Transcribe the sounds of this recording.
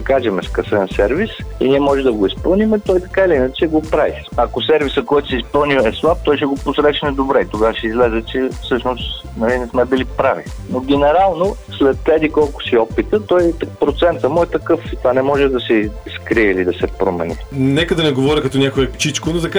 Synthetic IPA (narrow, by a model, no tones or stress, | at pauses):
ɐkaʒɛmɛskɐsɛnsɛɾvisḭniɛmɔʒɛd̪ɐɡoispɤlˠnimɛt̪ɔjt̪ɐ̥kailiinət͡ʃɛɡopɾavi | ɐkosɛɾvisəkɔjt̪ʊ̥sɛispɤlˠniɛslˠap̚t̪ɔjʃ̬ɛɡoposɾɛʃnɛd̪obɾɛit̪oɡaʃɛizlɛzɛt͡ʃɛfsɤʃnost̪ | nɐlinɛsmɛbilipɾavi | noɡʲɛnɛɾalˠnoslɛt̪ːɛd̪ikɔlˠkʊ̥siɔpit̪ət̪ɔj̪pɾot̪sɛnt̪əmuɛt̪ɐkɤft̪vanɛmɔʒɛd̪ɐsɛskɾiɛilid̪ɐsɛpɾomɛ̰nʲḭnɛkəd̪ɐnɛɡovɔɾʲikɐt̪ɔnʲakoɛpt͡ʃit͡ʃkonozɐka